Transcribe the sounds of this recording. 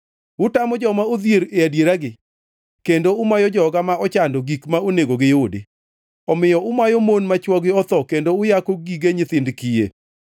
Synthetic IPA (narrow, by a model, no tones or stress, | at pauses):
ʊtamɔd͡ʒɔmaoðjeɾeadjeɾaɡɪ | kendoʊmajɔd͡ʒɔɡamaɔt͡ʃandɔɡikmaoneɡoɡɪjodḛ | ɔmɪjɔʔʊmajomonmat͡ʃwɔɡɪɔt̪ɔkendoʊjakoɡiɡeɲɪt̪ɪndkijḛ